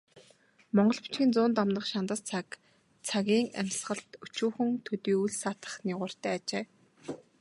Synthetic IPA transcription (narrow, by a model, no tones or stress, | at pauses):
mɔɴɢɞ̆ɮpʊ̥t͡ɕɡʲiːnt͡sʊːnt̪amnə̆qʃant̪ə̆st͡sʰak | t͡sʰaɣʲiːŋæ̰mʲsχə̆ɬt̪ut͡ɕuːxɵ̆ŋt̪ʰɵt̪iːuɮsat̪ə̥̆χniːʁʊːr̥t̪ʰæːat͡ɕeː